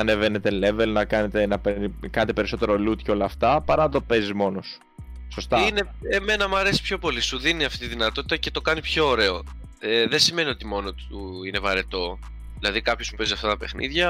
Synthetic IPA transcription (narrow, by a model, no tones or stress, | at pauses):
ɐne̞ve̞ne̞t̪e̞le̞ve̞lnɐkɐne̞t̪enɐpeɾikɐnet̪epeɾiso̞t̪e̞ɾo̞lut̪colɐːft̪ɐpɐɾɐnɐt̪o̞pe̞zizmo̞nosu̥ | so̞st̪ɐine | eme̞nɐmɐɾe̞si̥pço̞po̞lisuðiniɐft̪it̪iðinɐt̪o̞t̪it̪ɐce̞t̪o̞kɐnipço̞ːɾe̞o | eðensime̞nio̞t̪imo̞not̪u | ine̞vɐɾe̞t̪o̞ | ðilɐðikɐpço̞smupeziɐft̪ɐt̪ɐpe̞xnḭðʝɐ